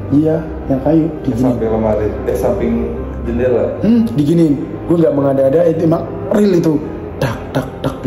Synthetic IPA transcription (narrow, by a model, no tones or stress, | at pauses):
ija | jaŋkajuʔdiɡiaimpɛkamaɾɪnasampɪŋ | d͡ʒənilam̩diɡini | ɡuaŋɡaʔməŋadaːdait̪emaŋ | rɪlit̪u | d̥ak̚d̥ak̚d̥ak̚